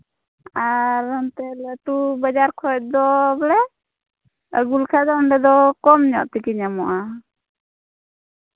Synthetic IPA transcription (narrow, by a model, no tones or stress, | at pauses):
aɾɔnt̪ɛlət̪ubəd͡ʒaɾkʰɔt̪̚d̪ɔblɛ | ɡulkʰad̪ɔɔɳɖɛd̪ɔkɔmɲɔ̰ʔt̪ikiɲamɔʔa